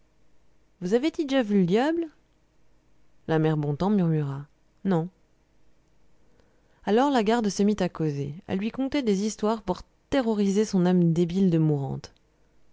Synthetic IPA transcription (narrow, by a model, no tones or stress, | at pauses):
vuzaved̪idʒavyld̪jabl | lamɛʁbɔ̃t̪ɑ̃myʁmyʁa | nɔ̃ | alɔʁlaɡaʁd̪səmit̪akozeɛ̰lːɥikɔ̃t̪ɛd̪ezist̪waʁpuʁ | t̪eʁɔʁizesɔ̃namd̪ebild̪əmuʁɑ̰̃t̪